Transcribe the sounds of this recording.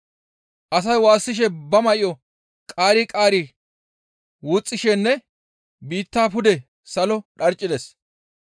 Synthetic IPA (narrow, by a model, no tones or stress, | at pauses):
ʔɐs̬ɐjwaːsːɪʃ̬ɛbɐmɐʔɪjɔ | kʼaːɾɪkʼaːɾɪ | wʊt͡sʼːɪʃɛnːɛ | biːt̪ːaːpʊd̪ɛ | sɐlɔɗɐɾt͡ʃʼːɪd̪es